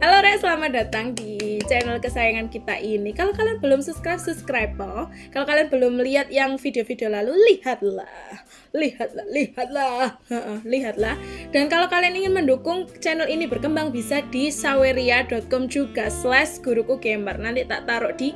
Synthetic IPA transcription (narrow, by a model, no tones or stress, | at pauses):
kaloɾɛsəlamadat̪aŋdit͡ʃɛnəlkəsajaŋankit̪a̰ʔinikalokalianbəlʊmsuskɾap̚supskɾabəl | kalokalianbəlʊmliat̪̚jaŋfideofideolalulihat̪̚la̰h | lihat̪̚lahlihat̪̚lahəʔəhliɦat̪̚lahd̥ankalokalianiŋɪnməndukʊŋt͡ʃɛnəlinibərkəmbaŋbisadisaweɾiadɔt̪̚kɔmd͡ʒuɡaslɛsɡ̥uɾukuɡembarnant̪it̪a̰ʔt̪aɾʊʔd̥i